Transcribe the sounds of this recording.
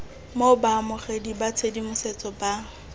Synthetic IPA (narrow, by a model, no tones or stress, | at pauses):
mobamʊχedibat͡sʰedimʊset͡sʼɔba